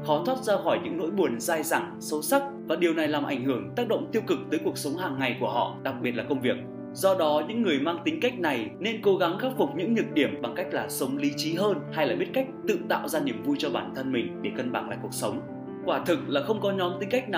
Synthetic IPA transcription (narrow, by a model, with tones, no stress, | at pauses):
xɔ˨˦t̪ʰwaː˦˥t̚zaː˧xɔ˧˩jɲɨ̰˧˥ŋno̰˧˥jɓu˨˩ənzaː˧jza˧˩ŋ | sə˨˦wsa˦˥k̚vaː˨˩ɗi˨˩əwna˨˩jlaː˨˩mʔa˧˩jŋ̟hɨ˧˩əŋt̪aː˦˥k̚ɗə̰˧˨wŋ͡mt̪i˧əwkɨ˨˩k̚t̪əː˨˦jku˨˩ək̚sə˨˦wŋ͡mhaː˨˩ŋːa˨˩jku˧˩əɦɔ̰˧˨ɗa˨˩k̚ɓi˨˩t̚laː˨kə˧wŋ͡mvi˨˩ək̚ | zɔ˧ɗɔ˨˦ɲɨ̰˧˥ŋːɨ˨˩əjmaː˧ŋt̪ï˨˦ŋ̟ka˦˥jk̟̚na˨˩jne˧nko˨˦ɣa˨˦ŋxaː˦˥p̚fʊ˨˩k͡p̚ɲɨ̰˧˥ŋɲɨ˨˩t̚ɗi˧˩əmɓa˨˩ŋka˦˥jk̟̚laː˨˩sə˨˦wŋ͡mli˨˦t͡ɕi˨˦ɦəː˧nha˧jlaː˨˩ɓi˦˥ət̚ka˦˥jk̚t̪ɨ̰˧˨t̪a̰ː˧˨wzaː˧ni˨˩əmvu˧jt͡ɕɔ˧ɓaː˧˩nt̪ʰə˧nmï˨˩ŋ̟ɗe˧˩kə˧nɓa̰ː˧˩nla̰˧˨ku˨˩ək̚sə˨˦wŋ͡m | kwaː˧˩t̪ʰɨ˨˩k̚laː˨˩xə˧wŋ͡mkɔ˨˦ɲɔ˨˦mt̪ï˨˦ka˦˥k̟̚na˨˩